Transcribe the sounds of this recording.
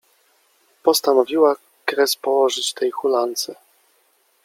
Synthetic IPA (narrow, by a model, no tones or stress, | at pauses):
pɔst̪anɔvʲiwa | kɾɛspɔwɔʐɘt͡ɕt̪ɛjxulant̪sɛ